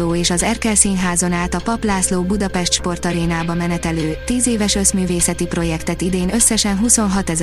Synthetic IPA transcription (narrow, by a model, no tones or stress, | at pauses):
oːeːʃɒzɛrkɛlsiːnɦaːzo̞naːt̪ɒpɒplaːsloːbud̪ɒpɛʃt̪ʃpo̞rt̪ɒɾeːnaːbɒmɛnɛt̪ɛløːt̪iːzeːvɛʃø̞smyːveːsɛt̪ipro̞jɛkt̪ɛt̪id̪eːnø̞sːɛʃɛnɦuso̞nɦɒt̪ɛz